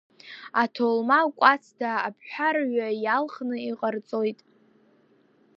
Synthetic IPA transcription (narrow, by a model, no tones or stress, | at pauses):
atʰolmalkʷʼat͡sʰdʰaːpʰħʷᶣarɥajalχnɨiqʼart͡sʼo̞jtʼ